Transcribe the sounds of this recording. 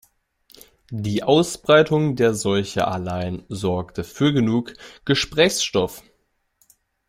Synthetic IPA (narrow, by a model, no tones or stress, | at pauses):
diːʔaʊsb̥ʁaɪtʰʊŋdeːɐzɔlçəʔa̰laɪənzɔɐktəfyːɐɡənuːkɡ̥əʃpʁ̥ɛːçsʃtɔf